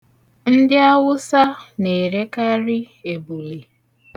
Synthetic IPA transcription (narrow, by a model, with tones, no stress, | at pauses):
n̩˦dɪ˦a˦wʊ˦sa˦ne˨ɾe˦ka˦ɾɪ˦ | e˨bu˨li˨